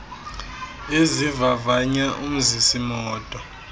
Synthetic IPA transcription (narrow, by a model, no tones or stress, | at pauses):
ezivavaɲaʔum̩zisimɔːtʼɔ